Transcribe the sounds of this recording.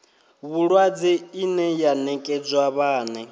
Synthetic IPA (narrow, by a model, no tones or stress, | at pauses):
βuɺwad͡zɛinɛjanɛkʼɛd͡zwaβaːnɛ